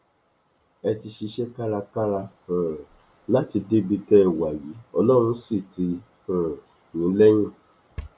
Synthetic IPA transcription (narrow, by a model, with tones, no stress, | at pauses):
ɛ˧ti˧ʃi˧ʃɛ˦ka˦ɾa˧ka˦ɾa˧hã˨ | la˦ti˧de˦bi˧tɛ˦˧˨wa˨ji˨˦ɔ˧lɔ˦˨ɾ̃ũ˧˦si˦˨ti˧˦ | hã˨ | nĩ˨˦lɛ˦j̃ã˦˨